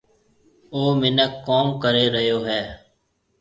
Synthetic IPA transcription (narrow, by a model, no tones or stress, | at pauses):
oːmɪnəkːoːmkəɾeːɾəjoːɦɛː